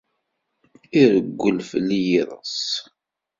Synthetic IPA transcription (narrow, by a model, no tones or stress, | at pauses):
iɾəɡʷːəlfəlːijiðˤə̰s